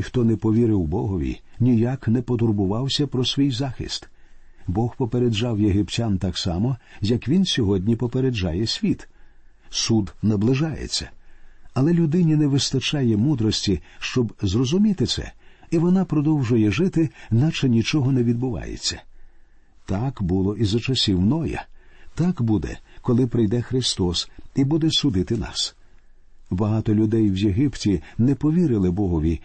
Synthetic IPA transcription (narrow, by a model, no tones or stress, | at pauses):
xt̪ɔnɛpɔʋʲiɾɪwbɔɦɔʋʲḭnʲijaknɛpɔt̪ʊrbʊʋɑwsʲɐpɾɔsʲʋʲijzɑxḭst̪ | bɔxpɔpeɾed͡ʒɑwjeɦɪptʲant̪aksɑ̰mɔjɐkʋʲinsʲɔɦɔdʲnʲipɔpeɾed͡ʒajɛsʲʋʲit̪ | sud̪nɐblˠɪʒɑjḛt͡sʲːɐ̰ɐlˠɛlʲʊd̪ɪnʲinɛʋɪst̪ɐt͡ʃajɛmud̪ɾɔsʲtʲiʃt͡ʃɔbzrɔzʊmʲit̪ɪsɛ̰iʋɔnɑpɾɔd̪ɔwʒʊjɛʒɪt̪ɪnat͡ʃɐnʲit͡ʃɔɦɔnɛʋʲid̪̚bʊʋɑ̰jḛt͡sʲːɐ̥ | t̪ɑkbʊlˠɔʔizɐt͡ʃɐsʲiwnɔjɐ̰t̪akbud̪ɛ̰kɔlˠɪpɾɪjd̪ɛxɾɪst̪ɔsibud̪ɛsʊd̪ɪt̪ɪnɑ̰s | bɐɦɑt̪ɔlʲʊd̪ɛjwjeɦɪptʲinɛpɔʋʲiɾɪlˠɪbɔɦɔʋʲi